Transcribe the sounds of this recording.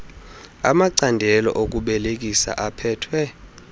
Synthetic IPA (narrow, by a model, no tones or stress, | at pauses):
a̰maǀandʱɛlɔ̰ʔok̬ʼuɓɛlek̬ʼisa̰ʔapʰɛːtʰwɛ